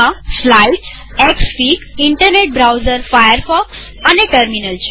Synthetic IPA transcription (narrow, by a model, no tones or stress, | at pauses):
aslaiʈs | eksfiːkiɳʈəɾneʈ̚bɾawd͡ʑəɾfajəɾfɔks | aneʈəɾminəlt͡ɕ